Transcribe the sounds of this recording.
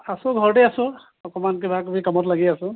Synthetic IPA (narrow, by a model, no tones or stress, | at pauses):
asʊ̃ɡʱɔɹʈɛasʊ̃ | ɔkɔmankebʱakbʱikamɔtlaɡiasʊ̃